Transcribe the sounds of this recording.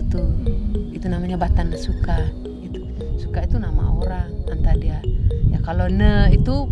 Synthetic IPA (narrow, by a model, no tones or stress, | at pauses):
t̪uit̪unamaɲabat̪anːasuka | it̪u̥ | su̥kait̪unama̰oɾaŋant̪adiajakalonəit̪u